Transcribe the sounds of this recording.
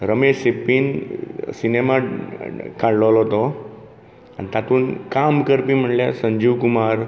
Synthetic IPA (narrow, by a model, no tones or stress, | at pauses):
ɾəmeɕepːiːnsinema | kʰaɽləlɦot̪o | a̰nit̪at̪uːnkamkəɾpiːm̤əʈljasəɲd͡ʑiːʋkumaɾ